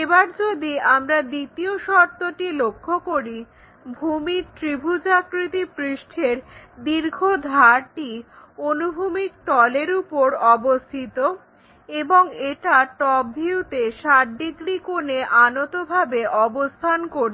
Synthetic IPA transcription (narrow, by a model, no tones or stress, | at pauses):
ebaɾd͡ʑod̪iamɾad̪it̪ioʃɔɾt̪oʈilokʰːokoɾi | bʱumiɾt̪ɾibʱud͡ʑakɾit̪ipɾiʃʈʰeɾd̪iɾɡʱod̪ʱaɾʈi | onubʱumik̚t̪ɔleɾupoɾɔbost̪ʰit̪o | eboŋeʈaʈɔbʱiut̪eʃaʈ̚ɖiɡɾikoneʔanot̪obʱabeʔɔbost̪ʰankoɾ